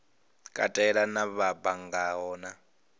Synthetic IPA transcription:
kʼa̰tʼɛɛɺanaβabaŋɡaɦɔːna

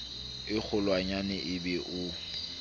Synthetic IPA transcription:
ɪk͡xʰʊlwaɲanɛʔɪbɛʔʊ

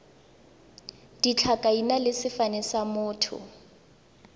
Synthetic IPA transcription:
d̥it͡ɬʰakʼainalɪsɪfanɛsamʊːtʰʊ̰

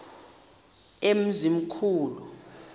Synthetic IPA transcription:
em̩zim̩kʰuːlu

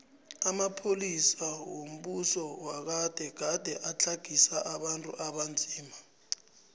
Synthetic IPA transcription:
amapʰolisawom̩ɓusɔwak̬ad̥ʱɛɡ̥ʱad̥ʱɛʔat͡ɬʰaɡ̥ʱisaʔaɓantʼṵʔaɓand͡zʱiːma

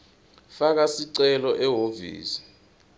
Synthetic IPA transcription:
fak̬asiǀɛlɔʔɛɦovḭːsi̥

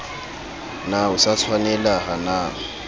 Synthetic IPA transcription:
naʊsat͡sʰwanɛlaɦana

